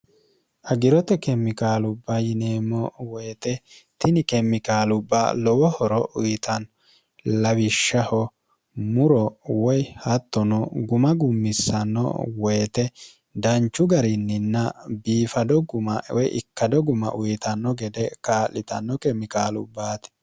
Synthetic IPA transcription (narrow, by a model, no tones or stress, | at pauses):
ʔɐɡɪɾɔt̪ɛkɛmːɪkaːlʊbːɐjɪneːmɔwɔjt̪ɛt̪ɪnɪkɛmːɪkaːlʊbːa̰lɔwɔhɔɾɔʔʊjt̪ɐn | lɐwɪʃːɐhɔ | mʊɾɔwɔjhɐt̪ːɔnɔɡʊmɐɡʊmːɪsːɐnːɔ̰wɔjt̪ɛ | d̪ɐnt͡ʃːʊɡɐɾɪnːɪnːɐbiːfɐd̪ɔɡʊmɐwɔjɪ̰kːɐd̪ɔɡʊmɐ̰ʔʊjt̪ɐnːɔɡɛd̪ɛkaːlːɪt̪ɐnːɔkɛmːɪkaːlʊ̰bːaːt̪ɛ̥